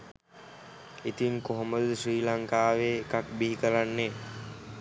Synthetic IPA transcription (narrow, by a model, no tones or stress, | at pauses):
it̪iŋkoɦoməd̪əsriːlaŋkaːʋeːkakbiɦikəɾanːeː